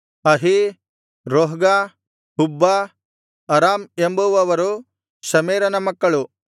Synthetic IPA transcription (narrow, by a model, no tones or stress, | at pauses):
ɐɦi | ɾoːɦɡa | ɦubːa | ɐɾaːmembuʋɐʋɐɾu | sɐmeːɾɐnɐmɐkːɐɭu